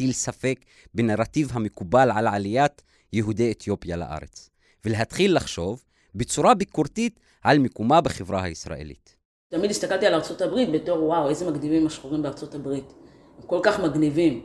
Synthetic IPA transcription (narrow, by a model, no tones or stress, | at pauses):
ilsafek | benaʁat̪ivɦamekubalʕalʕalijat̪ | jeɦud̪ejet̪jo̞pijala̰ʔa̰ʁet͡s | veleɦat̪χilːaχʃo̞v | bet͡suɾabikuʁt̪it̪ | ʕalmekumabeχevʁahaisʁa̰ʔḛlḭt̪ | t̪amid̪ist̪akaltialaʁt͡so̞tabʁit̪beto̞ʁwawejzemaɡnivimːaʃχuʁimbeaʁt͡so̞t̪abʁit̪ | hemkolkaχmaɡnivim